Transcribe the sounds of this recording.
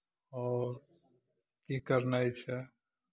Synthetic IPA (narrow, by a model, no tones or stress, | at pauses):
ɔːɾ | kikəɾnajt͡ʃʰɛ